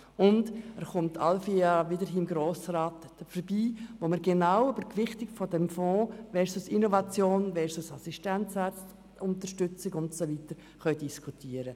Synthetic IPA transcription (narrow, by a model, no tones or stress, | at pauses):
ʊndɛɾχʊmtːʰalfiɑʋidəɾɦiːmɡɾoːsɾaːt | əfəɾbiːʋoməɾɡɛnaʊwybəɾkʋɪχtɪkfɔdɛmfɔ̃ːvɛɾsusinɔvɑt͡sjoːnvɛɾsusɑsiʃtɛnt͡sɛ | ʊntəɾʃtʏt͡sɪɡʊntsovitəɾ | χœʏdiskʰutʰiːəɾə